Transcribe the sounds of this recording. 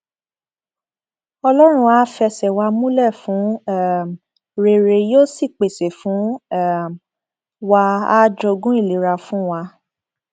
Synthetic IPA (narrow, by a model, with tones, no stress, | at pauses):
ɔ˧lɔ˦ɾ̃ũ˧a˦fɛ˧sɛ˨wa˧mũ˦lɛ˦˨fũ˨˦ɛ˦˨m | ɾe˧˨ɾe˧joː˦si˦˨k͡pe˨se˨fũ˨˦ɛ˦˨ | wa˧a˦d͡ʒo˧ɡũ˦i˦˨li˨ɾa˧fũ˦wa˧